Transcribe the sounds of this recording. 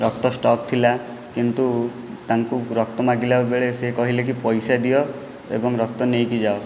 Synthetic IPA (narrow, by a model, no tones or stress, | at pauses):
ɾɔk̚t̪ɔsʈɔkt̪ʰila | kint̪u | t̪aŋkuɾɔk̚t̪ɔmaɡilabebeɭesekɔɦilek̬ipɔjsad̪ijɔ | ḛbɔŋɾɔk̚t̪ɔnejkid͡ʒao